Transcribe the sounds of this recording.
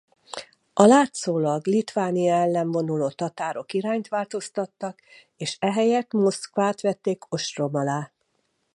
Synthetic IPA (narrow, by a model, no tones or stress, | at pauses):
ʔɒlaːt̪soːlɒɡlit̪ʋaːnijɔɛlːɛɱvo̞nuloːt̪ɒt̪aːɾo̞kiɾaːɲt̪ʋaːlt̪o̞st̪ɒt̪ːɒk | eːʃɛɦɛjɛt̪mo̞skʋaːt̪ʋɛt̪ːeːko̞ʃro̞mɒlaː